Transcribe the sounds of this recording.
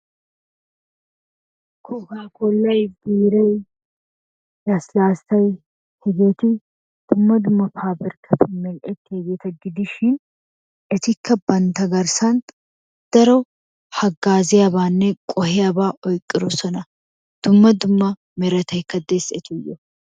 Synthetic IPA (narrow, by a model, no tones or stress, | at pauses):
kʰɔɡaːkɔlːɐjbiːɾɐj | jɐslaːstɐj | hɛɡeːt̪ɪ | d̪̥ʊmːɐd̪ʊmːɐpʰaːbɛɾkʰɐt̪ʰʊmɛlʔɛt̪ːɪhɛɡeːt̪ɐɡɪd̪ɪʃɪn | ʔɛt̪ɪkːɐbɐnt̪ɐɡɐɾsɐn | d̪̥ɐɾɔ | hɐɡːaːzɪjabaːnːɛkʼɔɦɪjabaːʔɔjkʼːɪɾɔsɔnɐ | d̪̥ʊmːɐd̪ʊmːɐ | mɛɾɐt̪ɐjkːɐd̪eːsɛt̪ʊjːɔ